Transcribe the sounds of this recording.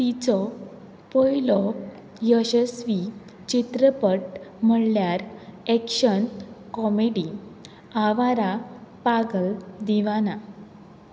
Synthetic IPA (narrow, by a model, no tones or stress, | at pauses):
t̪it͡sɔ | pɔjlɔ | jəɕəsʋi | t͡ɕit̪ɾəpəʈm̤əɽljaɾɛkɕənkɔmeɽi | aʋaɾapaɡəld̪iʋana